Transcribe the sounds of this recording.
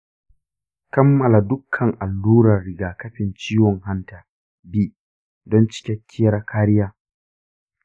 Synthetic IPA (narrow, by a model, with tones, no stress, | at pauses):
kɐ˦mːɐ˨la˨dʊ˦kʰːɐ˨ŋʔa˨lːuː˦ɾɐ˨rːɪ˨ɡaː˨kɐ˦ɸɪ˨nt͡ʃiː˦wɔ˨ŋɦa˦ntaː˨ | bi˦ | dɔ˦nt͡ʃɪ̥˦kʲɛ˦kʲʰːɪ˦ɐ˦ɾa˦kʰaː˦ɾɪ˦jaː˦